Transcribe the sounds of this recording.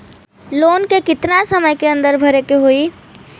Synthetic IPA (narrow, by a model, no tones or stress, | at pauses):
loːnkekɪt̪nasəməjkeɐ̃nd̪əɾbʱɐɾekeɦoi